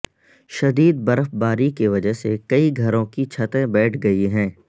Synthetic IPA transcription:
ʃɐd̪iːd̪̚bɐɾəfbaːɾikiʋɐd͡ʒəɦsekɐiɡʱɐɾõkit͡ʃʰɐt̪ẽbɛːʈʰɡɐiɦɛ̃ː

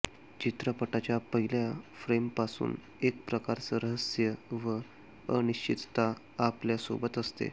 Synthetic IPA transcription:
t͡ɕit̪ɾəpəʈat͡ɕjapəɦiljafɾempasṵːn | ek̚pɾəkaɾt͡səɾəɦəsjəʋə | əniɕt͡ɕit̪t̪a | apljaso̰bət̪əst̪ḛ

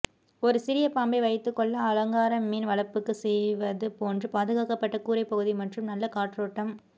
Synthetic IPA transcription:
ɔɾɯsɪɾɪjɐpaːmbɐɪʋɐɪt̪ːɯkːɔɭːɐːlɐŋɡaːɾɐmːiːnʋɐɭɐpːɯkːɯsɛjʋɐðɯpoːndrɯpaːðɯɣaːkɐpːɐʈːɐkuːɾɐɪpːɐɣɯðimɐʈrɯmnɐlːɐkaːʈroːʈːɐm

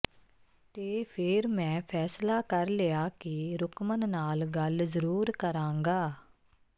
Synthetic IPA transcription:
t̪eːpʰɪɾmɛ̃ːpʰɛːslaːkəɾleaːkiɾʊkʰmənːaːlɡəlzəɾuːɾkəɾãːŋɡaː

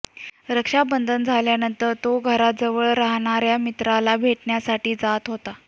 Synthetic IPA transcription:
ɾəkʂabənd̪ʱənd͡zʱaljanənt̪əɾt̪oɡʱəɾat̪̚d͡zəʋəɭɾaɦɳ̃aɾjamit̪ɾalabʱeʈɳjasaʈiːd͡zat̪ɦot̪a

